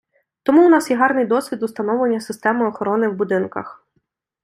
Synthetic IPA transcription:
t̪ɔmuːnɑsjɛɦɑrnɪjd̪ɔsʲʋʲid̪ʊst̪ɐnɔwlˠenʲːɐsɪst̪ɛmɪɔxɔɾɔnɪwbʊd̪ɪnkɐ̰x

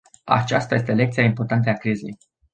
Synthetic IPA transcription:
a̰t͡ʃast̪aje̞s̬t̪ele̞kt̪siaimpo̞rt̪ant̪̬əakɾize̞̰j

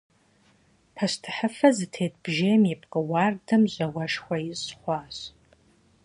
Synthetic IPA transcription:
pʰɐɕtʰɨ̥ħəfɐzɨtʰeːtb̥ʒeːjmjɛpʰʼqʼɨwɑːrdʰɐmʑɐwɐʂxʷɐjɪsχʷɑːɕ

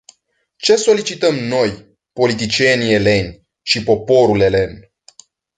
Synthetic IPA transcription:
t͡ʃe̞so̞lit͡ʃit̪əmno̞j | po̞lit̪̬it͡ʃienie̞le̞nʲ | ʃipo̞po̞ɾule̞le̞n

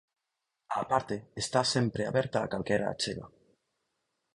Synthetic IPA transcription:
apaɾt̪eːst̪asempɾeaβeɾt̪aːkalkeɾa̰ːt͡ʃeɣa̰

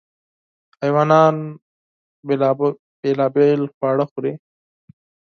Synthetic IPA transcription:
ajwaːnɑːn | belaːbelxwɑːɽaxuɾe

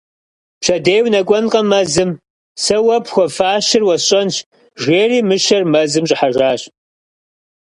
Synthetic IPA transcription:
pɕɐdeːwnɐkʷʼɔnqʼɐmɐzɨm | sɐwɐpxʷɔfaːʃɪrwɐɕʼɐnʃ | ʒeːriːmɨʃɐrmɐzɨmɕʼɪħaʒaːɕ

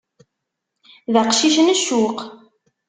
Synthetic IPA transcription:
ðəqʃiʃ̬ənəʃːuq

